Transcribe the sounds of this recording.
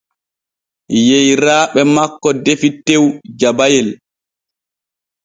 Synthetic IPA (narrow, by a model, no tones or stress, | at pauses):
jejɾaːɓɛmakːɔdefitːewd͡ʒabajɛl